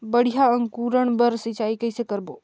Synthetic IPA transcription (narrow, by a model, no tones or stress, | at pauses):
bəɽ̤ijaə̃ŋkuːɾəɳ̃bəɾsɪt͡ʃaːikɐɪsekəɾboː